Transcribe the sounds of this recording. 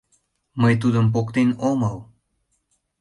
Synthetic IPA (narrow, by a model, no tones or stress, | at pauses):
məjt̪ud̪əmp̬okt̪enoməw